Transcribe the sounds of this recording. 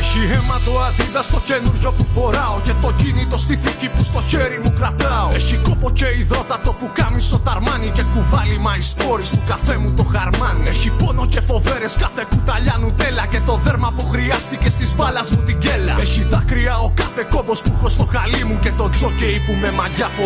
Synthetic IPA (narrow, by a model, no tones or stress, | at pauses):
eçiemɐt̪oad̪iðɐst̪o̞cenuɾʝo̞pufo̞ɾɐo̞ce̞t̪o̞cinit̪o̞st̪iθicipust̪o̞çeɾimukɾat̪ɐoeçiko̞po̞ce̞iðo̞t̪ɐt̪o̞pukɐmiso̞t̪ɐɾmɐnice̞kuvɐlimɐisp̪o̞ɾist̪ukafe̞mut̪oxɐɾmɐneçipo̞no̞ce̞fo̞ve̞ɾeskɐθekut̪ɐʎɐnut̪e̞lɐce̞t̪o̞ðeɾmɐpuxɾiɐst̪icest̪izpɐlɐzmut̪iɟelɐ̰eçiðɐkɾiɐokɐθe̞ko̞bo̞spuxost̪o̞xalimucet̪o̞t͡so̞ceipumemɐʝɐfo